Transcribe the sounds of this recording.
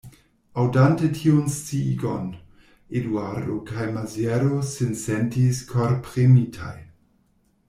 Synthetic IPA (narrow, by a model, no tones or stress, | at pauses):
awdantetʰiunst͡siɡo̰n | edwaɾdokajmazjɛɾosinsɛntiskʰoɾpɾemitʰa̰j